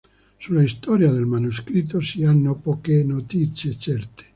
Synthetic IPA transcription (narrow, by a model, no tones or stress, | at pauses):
sulaist̪ɔɾjad̪elmanus̬kɾit̪̬ːosianːopɔkenot̪it̪sjet͡ʃɛrt̪ʰe̥